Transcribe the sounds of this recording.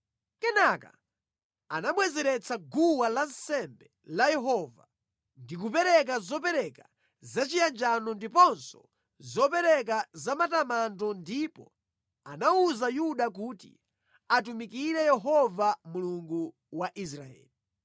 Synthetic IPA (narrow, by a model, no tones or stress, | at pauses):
kɛnaka̰ | anaɓwɛzɛɾɛt͡saɡuwalansɛmbɛ | lajɛɦɔva | ndik̬upɛɾɛk̬azɔp̬ɛɾɛka | zat͡ʃijand͡ʒanɔndipɔnsɔ | zɔpɛɾɛk̬azamatamantɔndipɔ | anauzajuɗak̬uːtḭ | at̬umikiɾɛjɛɦɔvamuluŋɡu | waʔis̬ɾa̰ɛ̰ːli